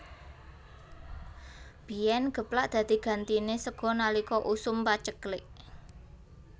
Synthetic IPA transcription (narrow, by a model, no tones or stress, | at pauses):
b̥i̤ɛnɡ̥ə̤plaʔd̪̥ä̤d̪̥i̤ɡ̥a̤nt̪inesəɡ̥ɔ̤nalikɔʔusʊmpat͡ʃəklɪʔ